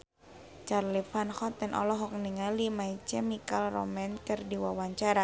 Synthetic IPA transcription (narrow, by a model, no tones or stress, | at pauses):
t͡ʃarlifanxɔt̪ɛnʔɔ̰lɔɦɔk̚niŋalimait͡ʃɛmikalrɔ̰mɛnkɨrdiwawaɲt͡ʃaɾa